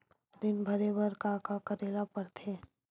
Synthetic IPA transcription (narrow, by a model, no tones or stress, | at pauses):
ɾɪnbʱəɾebəɾkakakəɾeːlapəɾt̪ʰeː